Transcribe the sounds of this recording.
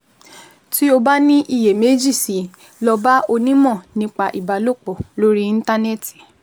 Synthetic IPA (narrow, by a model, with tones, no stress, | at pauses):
ti˦o˧ba˦nĩ˦ʔi˦˨je˨me˨˦d͡ʒi˦˨si˨˦ | lɔ˧ba˦o˧nĩ˦mɔ̃˦˨nĩ˧˦k͡pa˧˨ʔi˨ba˨lo˦˨k͡pɔ˨lo˦ɾi˦˧˦ta˦ne˦˨ti̥˨